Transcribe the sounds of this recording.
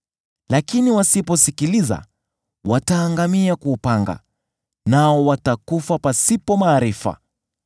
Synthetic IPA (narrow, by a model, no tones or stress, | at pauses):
lakiniwasipɔsikiliza̰ | wataːŋɡamiakuːpaŋɡa̰ | naɔwatakufapasipɔmaːɾifa̰